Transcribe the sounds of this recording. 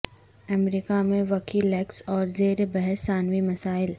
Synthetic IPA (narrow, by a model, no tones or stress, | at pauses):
ɐmɾikamẽʋɐkiːlɛːksɔːɾzeːɾebɛɦɛsːaːnʋimɐsaːɪl